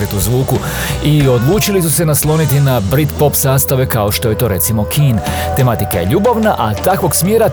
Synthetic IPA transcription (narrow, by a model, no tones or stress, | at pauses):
ɾet̪uzʋuːku | io̞d̪lˠuːt͡ʃilisuse̞naslˠo̞nit̪inabɾit̪po̞psaːst̪aʋe̞kao̞ʃt̪o̞je̞t̪o̞ːɾe̞t̪simo̞kʰiːn | t̪e̞mat̪ikaje̞̰ʎuːboʋnaʔat̪akʋo̞ɡsmjeːɾa